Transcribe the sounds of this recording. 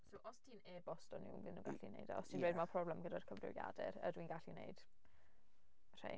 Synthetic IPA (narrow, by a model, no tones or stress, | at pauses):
soʔɔstʰiːneːbɔstɔnɪ̰wvɪnuŋɡa̰ɬḭnḛjdɔ̰ɔstʰiːnwɛjdmapʰrɔblɛmɡədarkʰəvrɪ̰wja̰dɛ̰ɾə̰dwinɡaɬinḛɨd̥ | r̥ḛ